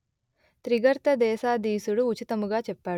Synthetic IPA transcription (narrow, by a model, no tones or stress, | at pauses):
t̪ɾiɡɐɾt̪ɐd̪ɛːsaːd̪iːsuɽuut͡ʃit̪ɐmuɡaːt͡ʃɛpːaː